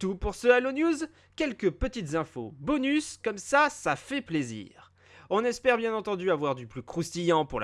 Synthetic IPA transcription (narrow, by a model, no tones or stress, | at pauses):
t̪upuʁsəalonjuz | kʲɛlkʲəpət̪it̪zɛ̃fobɔnyskɔmsasafɛplezḭːʁ | ɔ̃nɛspɛʁbjɛ̃nɑ̃t̪ɑ̃d̪yavwaʁd̪yplykχust̪ijɑ̃puʁl